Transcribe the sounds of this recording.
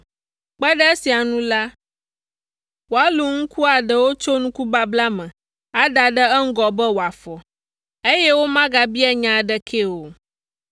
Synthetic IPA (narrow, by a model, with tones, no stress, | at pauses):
k͡pɛ˦ɖɛ˦e˦si˨a˨nũ˦la˦ | wo˨a˨˦lu˨ŋ̩̃˦ku˦a˨ɖɛ˨wo˦t͡ʃo˦nũ˦ku˦ba˦bla˦mɛ̃˨ | a˦ɖa˨ɖə˦ɛ˦ŋ̩˦ɡɔ˨bɛ˦wo˨a˨fɔ˨ | e˦jɛ˦wo˦mã˦ɡa˨bi˦ɛ˦ɲã˦˨ɖɛ˦kʰe˦wo˨